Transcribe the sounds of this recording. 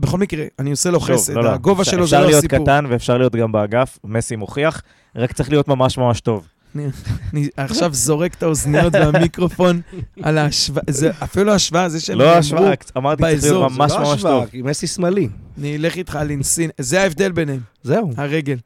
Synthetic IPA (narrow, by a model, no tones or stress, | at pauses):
beχo̞lmikʁeanioseloχevseloaɡo̞vaʃelozaʁlijot̪ikaut̪anveːfʃaʁlijo̞t̪ɡambeaɡafmesimo̞χiaχ | ʁakt͡sʁeχlijo̞t̪mamaʃmamaʃt̪o̞v | aniniaχʃavzo̞ʁe̞kt̪aoznijo̞t̪beamikʁo̞fo̞nalaʃvazeafiluluaʃvaazeʃeloavukamaʁt̪it͡sbaeezlijoommaʃʃmmaʃovmesismalianile̞χit̪χalinsinzeaevd̪e̞lbe̞nemzeuaʁe̞ɡe̞l